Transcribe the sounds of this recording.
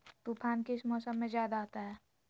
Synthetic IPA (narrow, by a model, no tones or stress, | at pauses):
t̪uːpʰaːnkeɪsmɔːsəmːẽzjaːd̪aɦot̪aɦɛː